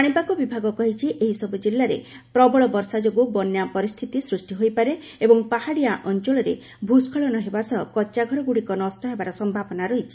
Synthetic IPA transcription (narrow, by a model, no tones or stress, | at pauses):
aɽ̃ipakɔbibʱaɡɔkɔɦit͡ʃʰiʔeɦisɔbud͡ʒilːaɾḛ | pɾɔbɔɭɔbɔɾsad͡ʒoɡubɔnjapɔɾist̪ʰit̪isɾusʈiɦojpaɾe | ebɔŋpahaɽijaʔɔnt͡ʃɔɭɔɾḛ | bʱuskʰɔɭɔnɔɦebasɔkɔt͡ʃaɡʱɔɾɔɡuɽikɔnɔstɔɦebaɾɔsɔmbʱabɔnaɾɔɦit͡ʃʰi̥